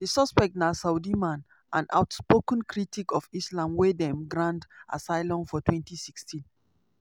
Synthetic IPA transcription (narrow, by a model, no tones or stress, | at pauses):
disɔspɛk̚tnasaudimãn | ʔãna̰ʊtspokə̃nkʰɹitikɔfislãmwedɛ̃mɡɹãndʔa̰saɪlɔ̃nfɔtwɛ̃ntisikstĩn